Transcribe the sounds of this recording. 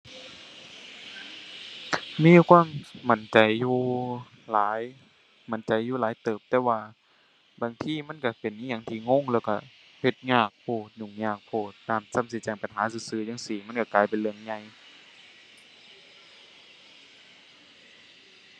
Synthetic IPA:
miː˧˥˨kʰwaː˧˥˨mma˨˦nt͡ɕa˨jːuː˧˩ | laː˨˦j | ma˨˦nt͡ɕa˨jːuː˧˨laː˨˦jt̪ɤː˨˩p̚t̪ɛː˧waː˧˩ | baː˨˩ŋt̪ʰiː˧˥˨ma˧˥˨nka˧˩pe˨nʔi˧˨a˧˩ŋt̪ʰiː˧˩ŋo˧˥˨ŋlɛː˧˩wka˧˩ | he˧˩t̪̚ɲaː˧˩k̚pʰoː˧˩t̪̚ɲu˧˩ŋɲaː˧˩k̚pʰoː˧˩t̪ːaː˧˩˨msa˧˥˨msi˧˦t͡ɕɛː˧˩ŋpa˨nɦaː˨˦sɯː˧˦sɯː˧˩˨ɲaː˧˥˨ŋsiː˧˩ma˧˥˨nka˧˩kaː˨˩jpe˨nlɯ˧əŋɲa˧˩j

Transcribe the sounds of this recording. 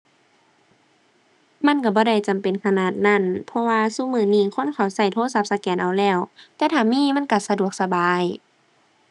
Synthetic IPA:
ma˧˥˨nka˧˩bɔː˧˦da˧˩jt͡ɕa˨mpe˨nkʰa˧naː˧˩t̪̚na˧˥˨npʰɔ˧waː˧suː˧˥˨mɯː˧˩niː˧˨kʰo˧˥˨nkʰa˨˩˦wsa˧˩jt̪ʰoː˧˥˨sa˧˥p̚sa˧kɛː˨˦nʔa˨wlɛː˧˩wt̪ɛː˧˦t̪ʰaː˧˩miː˧˥˨ma˧˥˨nka˧˩sa˧du˨˩ək̚sa˧baː˨˦j

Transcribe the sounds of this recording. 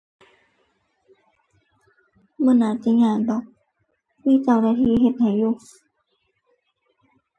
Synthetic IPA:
mɤ˧˨naː˨˧˦t̪i˧˦ŋaː˧˩nbɔ˨˦k̚ | miː˧˥˨t͡ɕa˧˩wda˧˩t̪ʰiː˧˩ɦe˧˩t̪̚ha˨˩jjuː˧˩

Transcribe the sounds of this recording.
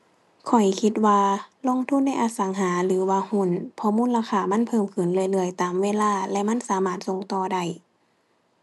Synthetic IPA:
kʰɔ˨˩jkʰi˧˦t̪̚waː˧lo˧˥˨ŋt̪ʰu˧˥˨nːa˧˥˩jʔaː˧sa˨˦ŋɦaː˨˦lɯː˨˦waː˧hu˧˥˨npʰɔ˧˨muː˧˥˨laː˧xʰaː˧˩ma˧˥˨npʰɤː˧˥˨mkʰɯ˨˩˨nlɯː˧˨jlɯ˧˩əjt̪aː˨˦mweː˧˨laː˧˩lɛ˧ma˧˥˨nsaː˨˦maː˧˩t̪̚so˧˨ŋt̪ɔː˧da˧˩j

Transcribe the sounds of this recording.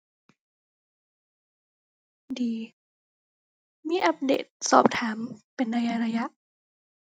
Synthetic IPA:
diː˨ | miː˧˥˨ʔa˦˥p̚dḛː˨˩t̪̚sɔ̰ː˨˩p̚t̪ʰaː˩˦mpe˨nːa˧ja˧˥ɾa˧ja˧˥ʔ

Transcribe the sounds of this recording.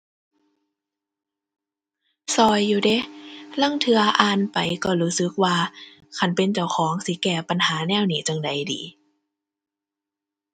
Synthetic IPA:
sɔː˧˩jːuː˨˧˩de˧˦la˧˥˨ŋt̪ʰɯ˧ɐʔaː˧npa˨˩jkɔː˧˩luː˨˦˥sɯ˧˦k̚waː˧ | kʰa˧˥˩npe˧˨nt͡ɕa˧˩wkʰɔː˨˦ŋsi˧˦kɛː˧˩pa˨nhaː˨˦nɛː˧˨wniː˨˩˦t͡ɕa˧ŋda˨˦jdḭː˨˦

